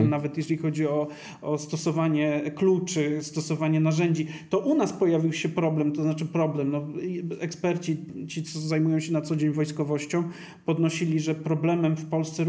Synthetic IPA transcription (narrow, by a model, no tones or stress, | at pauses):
mnavɛt̪jɛʐɛlʲixɔd͡ʑiɔ | ɔst̪ɔsɔvaɲɛklut͡ʂɘst̪ɔsɔvaɲɛnaʐɛɲd͡ʑit̪ɔʔunaspɔjavʲiwɕɛpɾɔblɛmt̪ɔznat͡ʂɘpɾɔblɛmnɔɛkspɛɾt͡ɕit͡ɕit̪sɔzajmujɔ̃w̃ɕɛnat̪sɔd͡ʑeɲvɔjskɔvɔɕt͡ɕɔ̃w̃ | pɔd̪nɔɕilʲiʐɛpɾɔblɛmɛmfpɔlst̪sɛɾ